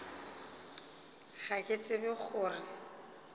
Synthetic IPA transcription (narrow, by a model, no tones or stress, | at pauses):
ɣakʼet͡sʼɪbɪk͡xʰʊːrɪ